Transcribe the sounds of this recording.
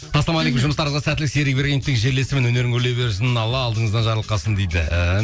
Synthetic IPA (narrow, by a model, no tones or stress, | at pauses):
t̪ʰɑsɑmɑlˠekəmʒʊməst̪ɑɾɑzʁɑsæt̪ɪlɪkseɾɪk̚beɾɡʲe̞nɪt̪ɪkʒe̞ɾle̞sɪmenwɵne̞ɾɪŋkʰɵɾle̞wbe̞ɾɪsɪnɪnɑlˠɑːlˠd̪əɴəzd̪ɑnʒɑɾlˠəqːɑsənd̪ejd̪ɪ̰